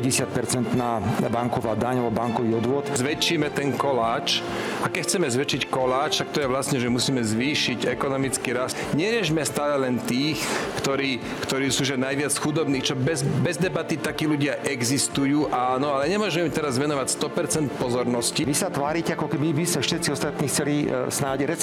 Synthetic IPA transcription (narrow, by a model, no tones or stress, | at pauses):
ɟɛsɪat̪̚pɛɾt͡sɛnt̪naːbaŋkɔʋaːd̪aɲalbɔbaŋkɔʋiːɔd̪ʋʊɔt̪zʋɛt͡ʃːiːmɛt̪ɛŋkɔlaːt͡ʃ | akɛcxt͡sɛmɛzʋɛt͡ʃickɔlaːt͡ʃt̪ak̚t̪ɔjɛʋlasɲɛʒɛmusiːmɛzʋiːʃiɟɛkɔnɔmit͡skiːɾas | ɲɛɾɪɛʒmɛst̪aːlɛlɛnt̪iːxkt̪ɔɾiː | kt̪ɔɾiːsuːʒɛnajʋɪat͡sxud̪ɔbniːxt͡ʃɔbɛzbɛzd̪ɛbat̪it̪akiːluɟɪaʔɛɡzist̪ujuːʔanɔalɛɲɛmʊɔʒmɛimt̪ɛɾazʋɛnɔʋacst̪ɔpɛɾt͡sɛnt̪̚pɔzɔɾnɔsciʋisat̪ʋaːɾicɛakɔkɛbibismɛfʃɛt̪t͡siɔst̪at̪niːxt͡sɛlisnaːɟɾɛt͡s